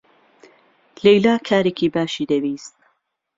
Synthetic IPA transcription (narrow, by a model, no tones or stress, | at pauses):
lejlaːkʰaːɾekʰiːbaːʃiːd̪ɐwiːst̪̚